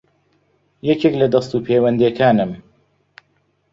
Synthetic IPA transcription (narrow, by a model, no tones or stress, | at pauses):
jɛkeklɐd̪ɐst̪uːpʰeːwɐnd̪iɛkʰaːnɨm